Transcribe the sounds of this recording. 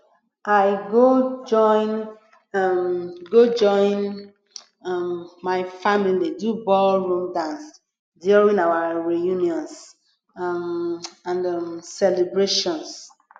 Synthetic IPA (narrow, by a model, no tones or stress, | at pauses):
ajɡod͡ʒɔ̃ɪ̃n | mɡod͡ʒɔ̃ɪ̃n | mmaɪfamilidubɔlɹũmdãns | dɔɹĩnawaɹijũnjɔ̃ns | ãnmsɛlebɹeʃɔ̃ns